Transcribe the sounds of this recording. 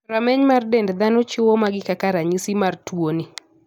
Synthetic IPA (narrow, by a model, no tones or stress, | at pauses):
ɾamɛɲmardɛndd̪anʊt͡ʃʊwɔmaɡɪkakaɾaɲisimartwoni